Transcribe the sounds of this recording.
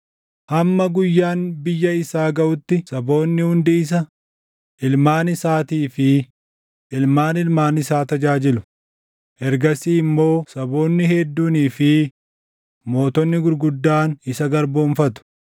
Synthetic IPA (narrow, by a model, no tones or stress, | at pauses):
hɐmːɐɡʊjːaːnbɪjːɐɪsaːɡɐʔʊt̪ːɪsɐbo̞ːnːɪhʊnd̪ɪɪs̬ɐ | ʔɪlmaːnɪsaːt̪iːfɪ | ɪlmaːnɪlmaːnɪsaːt̪ɐd͡ʒaːd͡ʒɪlʊ | ʔɛɾɡɐsiɪmːo̞ːsɐbo̞ːnːɪhɛd̪ːuːniːfɪ | mo̞ːt̪ɔnːɪɡʊɾɡʊd̪ːaːnɪsɐɡɐɾbo̞ːnfɐt̪ʊ̥